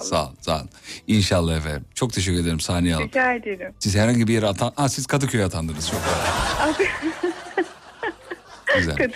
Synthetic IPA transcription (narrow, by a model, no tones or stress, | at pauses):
sa̰sa̰ninʃalˠːahefeɾmt͡ʃʰo̞k̚t̪ʰeʃ̬ɛkcʰʲyɾed̪eimsaːnijalˠitaːed̪elʲɪmsizhæɾhaɲɟibijeɾɛat̪ʰanasiz̥kʰad̪ɯkʰyɾʲɛat̪ʰand̪ɯɾnɯz̥t͡ʃʰo̞koaabi | yzæ̰kad̪